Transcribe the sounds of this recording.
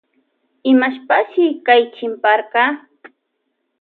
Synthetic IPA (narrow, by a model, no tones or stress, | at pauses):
ɪmaʃpaʃɪkajt͡ʃɪmpɑɾqɑ